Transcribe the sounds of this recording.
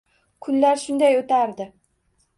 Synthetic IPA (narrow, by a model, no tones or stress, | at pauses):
kʰʊnlaɾʃʊnd̪ajot̪ʰaɾd̪ɪ